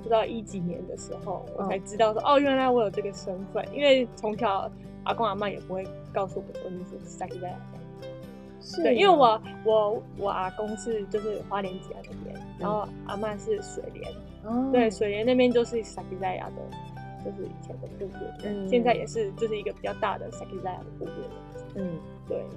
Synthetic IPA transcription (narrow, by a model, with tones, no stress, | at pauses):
u˧˥t̪ɑ˥˩ʊʔi˦t͡ɕi˨˩njɛ̰˦nd̪ə˨ʂɻ̩˧˥xo˥˩ʊwʔɔ̰˨˩t͡sʰa˧˥ɪʈ͡ʂɻ̩˥t̪ɑ˥˩ʊʂwɔ̰˥ʔɔ˥˧ɥɛ˥˩nla˧ɪwɔ˧˥jo˨˩ʊʈ͡ʂɤ˥˩ɡə˩ʂə˦˥nfə̰˧˨nḭ˥nwe˥˩ɪt͡sʰʊ˧˦˥ŋt̪ʰjɑ˨˩ʊ | a̰˨˩kʊ˥ŋa˨ma˥˩jɛ̰˨˩pu˦xwe˥˧ɪ | kɑ˥˧ʊsu˥˩wɔ̰˨˩kɔ̰˧˦ni˧˥s̩˥˩˥ʂa˧˥kʰi˧˩t͡sa˥˩ɪja˨˩d̪a̰˥˩˨ | wi˦nwe˥˩wɔ˨˩wɔ˨˩wʔɔ˨˩ʔa˨˩kʊ˥ŋʂɻ̩˥˧t͡ɕjo˥˧ʊʂ̬ɻ̩˥˩xwa˧˥ljɛ˧˥nt͡ɕi˨˩ja̰˧˥d̪ə˥˩pjɛ̰˧˦nɻa˧˥nxo˥˩ʊʔa̰˨˧ma˥˧ʂɻ̩˥˩ʂwḛ˨˩ɪljɛ̰˧˦n | we˥˩ɪʂwe˨˩ɪljɛ˧˦na˥˩pjɛ˥nt͡ɕjo˥˧ʊʂɻ̩˥˩sa˧˥kʰi˧˥t͡sa˥˩ɪja̰˨˩d̪ə̰˩˦ | t͡ɕjo˥˧ʊʂ̬ɻ̩˥˩ḭ˨˩t͡ɕʰjɛ˧˦nd̪ə˨ku˥˧pɛ̰˥˩˥ɕjɛ˥˧nt͡sa˥˩ɪjɛ̰˨˩ʂɻ̩˥˧t͡ɕjo˥˧ʊʂ̬ɻ̩˥˩i˧˥ɡə˨˩pi˨˩t͡ɕjɑ˥˧ʊt̪a̰˥˧d̪ə̰˩ʂa˧˥kʰi˧˥t͡sa˥˩ɪja̰˧˩d̪ə˩ku˥˧pjɛ̰˥˩˥ɔ˨˩˥ | t̪we˥˩ɪ